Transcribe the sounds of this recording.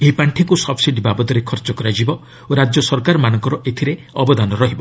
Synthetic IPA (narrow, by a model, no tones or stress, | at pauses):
eɦipaɳʈʰikusɔbsiɖibabɔt̪ɔɾekʰɔɾt͡ʃɔkɔɾad͡ʒibɔ | oɾad͡ʒjɔsɔɾkaɾɔmanɔŋkɔɾɔʔet̪ʰiɾe | ɔbɔd̪ʱanɔɾɔɦibɔ